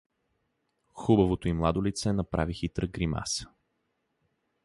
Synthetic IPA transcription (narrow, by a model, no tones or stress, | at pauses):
xubɐvot̪oimlˠad̪olit̪sɛnɐpɾavixit̪ɾəɡɾima̰s